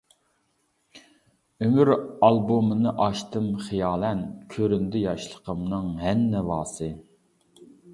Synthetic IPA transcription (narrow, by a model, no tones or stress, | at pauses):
ømyɾɑlˠbomɨnɨʔɑʃt̪ɨmχijɑːlˠɛnkʲʰøɾynd̪ɪjɑʃlˠə̥qʰəmnɨŋɦɛnːɛvɑːsɨ